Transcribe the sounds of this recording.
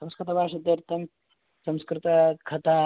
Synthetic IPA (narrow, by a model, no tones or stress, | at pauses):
sɐmskɾɪt̪ɐbaːʂɐd̪ɐɾt̪ɐm | sɐmskɾɪt̪ɐkʰɐt̪aː